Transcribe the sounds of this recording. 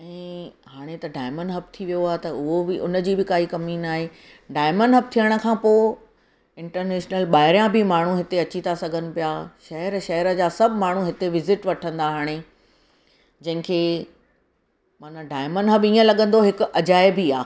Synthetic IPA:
ɛ̃ːɦaːɽ̃et̪ɐɖaːɪməɳɖɦɐb̚t̪ʰiʋijoaːɦet̪ɐʊɦobɪʔʊ̰nəd͡ʑiːbɪkaːikɐmiːnaːɦe | ɖaːɪməɳɖɦɐb̚t̪ʰijəɽ̃ə̆kʰãːpoːɪ | ɪ̃ɳʈəɾneːʃnəlɓaːɦɪɾjãbɪmaːɳ̤uɦɪt̪eɐt͡ɕit̪ʰasɐɡʱənɪ̆pijaːʃɐɦəɾʃɐɦəɾəd͡ʑaːsɐbʱɪmaːɳ̤uɦɪt̪eʋɪzɪʈʋɐʈʰə̃nd̪aɦaːɽ̃e | d͡ʑɐ̃ɦɪ̃kʰeː | maːnaɖaːɪmənɖɦɐbiːə̃lɐɠə̃n̆d̪oɦɪkɐd͡ʑaːɪbʱiaː

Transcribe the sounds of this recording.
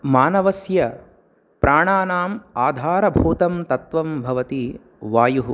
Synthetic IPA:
maːnɐʋɐsjɐ | pɾʔaːɳaːnaːmaːd̪ʱaːɾɐbʱuːt̪ɐmt̪ɐt̪ʋɐmbʱɐʋɐt̪i | ʋaːjuɦu

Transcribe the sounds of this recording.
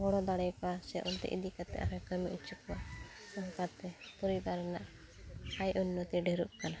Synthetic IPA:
bɔɽɔd̪aɽɛjkɔwasɛʔɔnt̪ɛ̰ʔḭd̪ikat̪ɛ̰ʔaɾɛkəmiʔut͡ʃukɔwa | sɔŋkat̪ɛpɔɾibaɾɛnaʔ | ajʔunːɔt̪iɖɛɾuʔkana

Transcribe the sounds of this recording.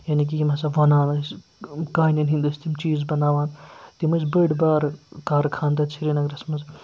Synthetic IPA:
jaːnik̬iimɐsaʋɐnaːnɐskaːjnɐnɦĩnd̪ust̪ʰimt͡ʃiːzbɐnaːʋaːnt̪imɐsbəɽbaːɾkaːɾkʰaːnd̪ɐt͡ʃʰiɾinɐɡɾɐsmɐz

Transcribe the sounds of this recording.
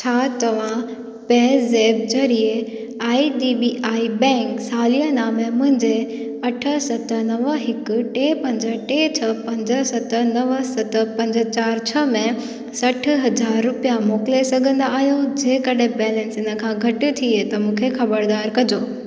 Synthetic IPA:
t͡ɕʰaːt̪ɐʋ̤ã | peːzeːb̚d͡ʑɐɾie | aːiɖiːbiʔaːibɛ̃ːŋksaːlijənaːmẽmʊ̃ɦɪ̃ɲd͡ʑeɐʈʰəsɐt̪ə̆nɐʋəɦɪkʊ̆ʈeːpɐ̃ɲd͡ʑə̆ʈeːt͡ɕʰɐpɐ̃ɲd͡ʑəsɐt̪ənɐʋəsɐt̪əpɐ̃ɲd͡ʑət͡ɕaːɾt͡ɕʰɐmẽ | sɐʈ̆ʰɦɐd͡ʑaːɾːʊpijamoːkɪlesɐɡʱə̃nd̪aːɦijod͡ʑeːkɐɗẽbɛːlɛ̃nsɪnə̆kʰãːɡʱɐʈɪ̆t̪ʰiet̪ɐmũːkʰexɐbəɾd̪aːɾkɐd͡ʑoː

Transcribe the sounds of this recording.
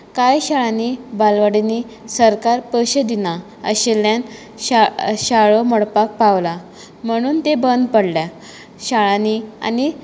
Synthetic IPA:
kajɕaɭãnibalʋaɽini | səɾkaɾpəɕəd̪ina | ə̰ɕelːjan | aɕaɭomɔɽpak̚paʋla | m̤əɽ̃uːnt̪ebənd̪pəɽlja | ɕaɭãnia̰ni

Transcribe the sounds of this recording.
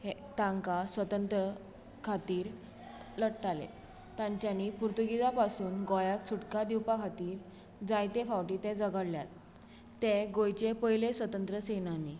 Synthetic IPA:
het̪ãŋkasʋət̪ənt̪ɾə | kʰat̪iːɾ | ləɽʈalḛ | t̪ãɲt͡ɕjanipuɾt̪uɡid͡zapasuːnɡɔjakt͡sʰuʈkad̪iwpakʰat̪iːɾ | d͡zajt̪efawʈit̪ɛ̃d͡zəɡəɽljat̪ː | ẽɡojt͡ɕepəjlesʋət̪ənt̪ɾəsenani

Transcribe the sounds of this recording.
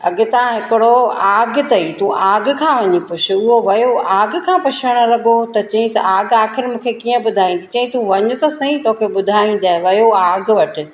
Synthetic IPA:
ɐɠɪt̪ɐ̤ãɦɪkɪɽoaːɡt̪ɐit̪ũaːɡkʰãːʋɐɲipʊt͡ʃʰʊʊɦoʋɐjoʔaːɡ̆kʰãːpʊt͡ʃʰəɽ̃ə̆lɐɠot̪ɐt͡ɕɐ̃ɦɪ̃saːɡaːxɪɾmũːkʰekiːə̃bʊd̪ʱaːĩːnd̪it͡ɕɐ̃ɦĩt̪ũʋɐɲʊt̪ɐsɐ̃ĩt̪oːkʰebʊd̪ʱaːĩːn̆d̪aːɪʋɐjoaːɡʋɐʈɪ̆

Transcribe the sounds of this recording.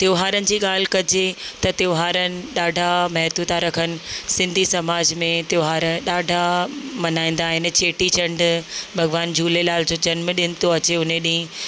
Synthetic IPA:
t̪joːɦaːɾənɪ̆d͡ʑiːɠaːl̤ɪkɐd͡ʑet̪ɐt̪joːɦaːɾənɪ̆ɗaːɖʱamɐɦt̪ut̪ʰaɾɐkʰənɪ̆sɪ̃nd̪ʱisɐmaːd͡ʑmẽt̪joːɦaːɾəɗaːɖʱamɐnaːĩn̆d̪aːɦɪnt͡ɕeːʈit͡ɕɐ̃ɳɖbʱɐɡʋaːnd͡ʑuːlelaːld͡ʑoːd͡ʑɐnmɗɪnɪ̆t̪oɐt͡ɕeʊnẽɗĩɪ̃

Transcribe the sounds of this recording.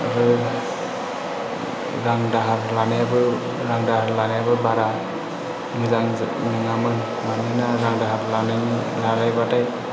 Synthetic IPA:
ɾɯ | ɾaŋdaɦaɾlanjabɯ | ɾaŋdaɦaɾlanajabɯbaɾa | mɯzaŋnɯŋamɯn | manɯnaɾaŋdaɦaɾlanɯnlaɾajbataj

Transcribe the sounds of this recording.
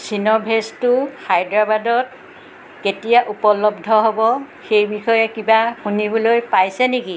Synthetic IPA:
sinɔbʱestʊxajdɹabadɔt̚ | ketijaʔupɔlɔbdʱɔɦobɔ | xejbixɔjɛkibaxunibɔlojpajsɛniki

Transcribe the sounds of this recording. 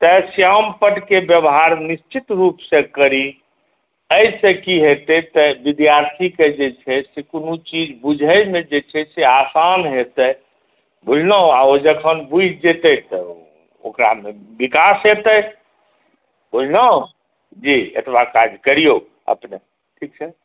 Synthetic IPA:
t̪əsjampəʈkebjəbɦaɾnist͡ʃit̪ɾupsẽkəɾi | əɪsẽkiɦet̪ət̪əbid̪jaɾt̪ʰiked͡ʒet͡ʃʰɛsekunut͡ʃid͡ʒbud͡ʒʱəjmed͡ʒet͡ʃʰɛseasanɦet̪ə | bolnəõaod͡ʒəkʰənbud͡ʒʱd͡ʒet̪ət̪ɔ | o̰kɾa̰mebikasɦet̪ə | bolnə | d͡ʒiḛt̪ʰbakad͡ʒʱkəɾijo | ə̰pne | ʈʰik̚t͡ʃʰɛ

